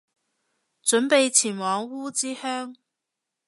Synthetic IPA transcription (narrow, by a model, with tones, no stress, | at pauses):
ʈ͡ʂwə˧˥npe˥˩ɪt͡ɕʰi˨˩nwɑ˧˥ŋu˥t͡ɕi˥hɛ˥ŋ